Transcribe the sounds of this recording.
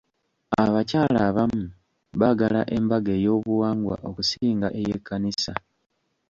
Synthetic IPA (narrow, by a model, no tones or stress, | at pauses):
aβacaːlaβamu | βaɡala̰ʔe̞mbaɡejo̞ːβuwaːŋɡwa̰ʔo̞kusiːŋɡaʔe̞jekʰːanisa